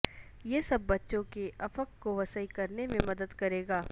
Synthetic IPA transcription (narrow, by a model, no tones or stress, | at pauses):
jesɐbːɐtːʃõkeɐfəkːoʋɐsəikɐɾnemẽmɐd̪əd̪kɐɾeːɡaː